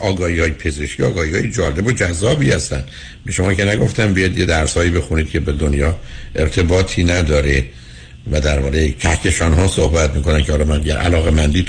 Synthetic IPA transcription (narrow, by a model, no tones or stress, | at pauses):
ʔɒːɡɒːhiːhɒːjepʰe̞zeʃkʰiɒ̰ːɡɒːhiːhɒːjed͡ʒɒːle̞bod͡ʒæzːɒːbiːhæst̪ænd̪ | beʃo̞mɒːkʲcʰenæɡo̞ft̪ænbijɒd̪jed̪æɾshɒːiːbe̞xuniːd̪̥̚cʲʰe̞bed̪onjɒːʔe̞ɾt̪ʰe̞bɒːt̪ʰiːnæd̪ɒːɾe | væd̪æɾbɒːʁecʰæhcʰeʃɒːnɦɒːsohbæt̪miːkonæncʰeɒːlɒːmænd̪iɟæ̰ɾʔæ̰lɒːɣe̞mænd̪iː